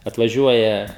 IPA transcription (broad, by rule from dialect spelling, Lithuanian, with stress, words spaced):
ɐtʋɐˈʒʲuɔjɛ